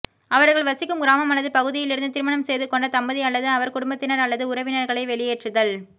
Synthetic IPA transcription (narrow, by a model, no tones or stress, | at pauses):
ɐʋɐɾɣɐɭʋɐsɪkːɯmɡɪɾaːmɐmɐnɐðɯpɐɣɯðɪjɪlɪɾɯnd̪ɯt̪ɪɾɯmɐɳɐmsɛjðɯkɔɳɖɐt̪ɐmbɐðiɐlːɐðɯɐʋɐɾkʊɽʊmbɐt̪ːɪnɐɾɐlːɐðɯʊɾɐʋɪnɐɾɣɐɭɐɪʋɛɭɪjeːʈrɯðɐl